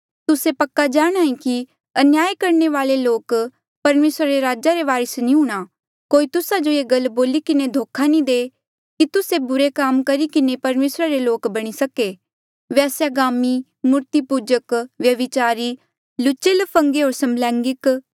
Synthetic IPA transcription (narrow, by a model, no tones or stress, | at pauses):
t̪ʊsepɐkːad͡ʒaːɽ̃aːĩki | ɐnjaːjkɐɾneʋaːleloːk | pɐɾmeːsɾaɾeɾaːd͡ʒaɾeʋaːɾəsnĩɦũːɽ̃a | koːit̪ʊsad͡ʒoeːɡɐlboːlikɪned̪ʱoːkʰanĩd̪eː | kit̪ʊsebʊɾekaːmkɐɾikɪnepɐɾmeːsɾaɾeloːkbɐɽ̃isɐke | ʋɛːsjaɡaːmi | mʊɾt̪ipuːd͡ʒəkʋjɐʋɪt͡ʃaːɾi | lʊt͡ʃɪlpʰɐ̃ŋɡeɦoːɾsɐmlɛ̃ːŋɡɪk